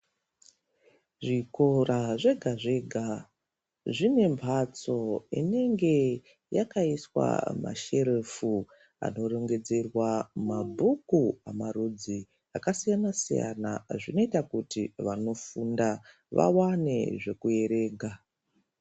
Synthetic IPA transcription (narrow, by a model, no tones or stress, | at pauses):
ʐiko̞raʐe̞ɡʱaʐe̞ɡʱa | ʐine̞mpʰat͡so̞ḭne̞ŋɡe̞ | jakaiswa̰ma̰ʃe̞ɾefu | a̰no̞reŋɡe̞d͡ze̞rwamabʱukuamarud͡zi | akasijanasija̰na̰ʐino̞itakutiʋano̞funda | ʋa̰wane̞̰ʐe̞kue̞ɾe̞ːɡʱa